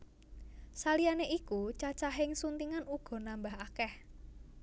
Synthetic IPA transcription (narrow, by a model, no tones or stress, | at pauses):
salijaneʔikut͡ʃat͡ʃaɦɪŋsunt̪iŋanuɡ̥ɔ̤nambaɦakɛh